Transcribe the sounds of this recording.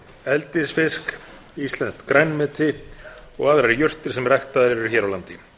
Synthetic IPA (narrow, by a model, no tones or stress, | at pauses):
ɛlt̪ɪsfɪsk | ist̪lɛnst̪kɾajnmɪːt̪ʰɪɔ̰ɣaðɾaɾjʏr̥t̪ɪɾ̥sɛmrajxt̪aðɾɛɾʏɾçɛːɾawlant̪ɪ